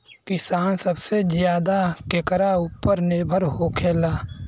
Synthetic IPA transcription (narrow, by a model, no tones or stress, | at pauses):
kɪsaːnsəbsezjaːd̪akekəɾauːpːəɾnɪɾbʱəɾɦoːkʰeːlaː